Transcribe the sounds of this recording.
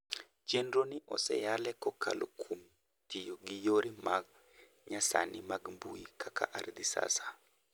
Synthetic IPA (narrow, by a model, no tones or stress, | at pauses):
t͡ʃendɾoniʔɔ̰sɛ̰jalɛkɔkʰa̰lokʰum | tɪjoɡijoɾimaɡ̚ | ɲasa̰nimaɡmbuikʰakʰa̰ʔaɾd̪isa̰sḁ